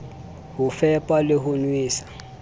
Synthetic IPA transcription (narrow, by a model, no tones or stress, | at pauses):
hʊfɛpʼaleɦʊnwiːsḁ